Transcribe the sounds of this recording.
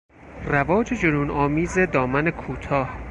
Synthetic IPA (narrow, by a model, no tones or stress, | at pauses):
rævɒːd͡ʒed͡ʒoɾuːnɒːmiːze̞d̪ɒːmæne̞kʰuːt̪ʰɒːh